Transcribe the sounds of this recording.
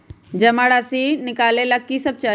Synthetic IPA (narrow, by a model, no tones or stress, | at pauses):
d͡ʒɐmaɽasinɪkaːlelakːisɐb̚t͡ʃaː